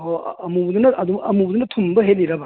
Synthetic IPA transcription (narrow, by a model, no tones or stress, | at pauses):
oɐmubud̪unɐɐduɐmubd̪unɐtʰumbɐɦet̚liɾɐbɐ